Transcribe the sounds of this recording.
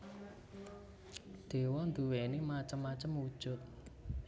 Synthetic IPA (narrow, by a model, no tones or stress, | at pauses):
d̪̥e̤wɔnd̪uwenemat͡ʃəmːat͡ʃəmud̥ʒ̥ʊ̤t̪̚